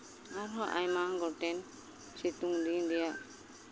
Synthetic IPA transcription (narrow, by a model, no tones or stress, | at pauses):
aɾɦɔʔa̰jmaŋɡɔʈɛn | t͡ʃit̪uŋd̪ind̪ɛjaʔ